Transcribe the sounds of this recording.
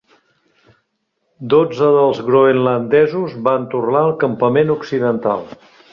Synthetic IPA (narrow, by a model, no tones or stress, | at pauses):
d̪od͡zəðəlˠzɣɾoenlənd̪ɛzuzβant̪urnaəlˠkəmpəmenuksiðənt̪a̰lˠ